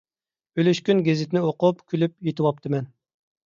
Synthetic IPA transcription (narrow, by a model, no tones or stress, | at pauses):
ølyʃkʲynɡʲezɪt̪ʰɪnɪoqʊpkʲʰylyp̚jet̪ʰɨwɑp̚t̪ʰɨmɛn